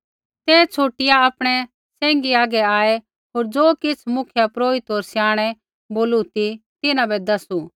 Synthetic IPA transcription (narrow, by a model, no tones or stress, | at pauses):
t̪ɛːt͡ʃʰoːʈɪjaapɽ̃ɛ | sɛ̃ːŋɡiaːɡɛaːɛ | ɦoːɾd͡zoːkɪt͡sʰmʊkʰjapɾoːɪt̪ɦoːɾsjaːɽ̃ɛ | boːlut̪it̪ɪnãbɛd̪ɐsu